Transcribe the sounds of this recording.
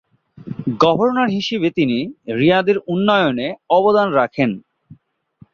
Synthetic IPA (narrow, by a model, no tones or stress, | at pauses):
ɡɔbʱoɾonaɾɦiʃebet̪iniɾijad̪eɾunːɔjoneɔbod̪anɾakʰen